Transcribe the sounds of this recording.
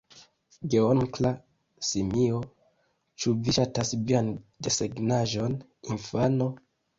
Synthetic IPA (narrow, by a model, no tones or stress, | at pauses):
ɡeoŋkla | simio̞ | t͡ʃuviʃatasviandeseɡnaʒo̞n | infano̞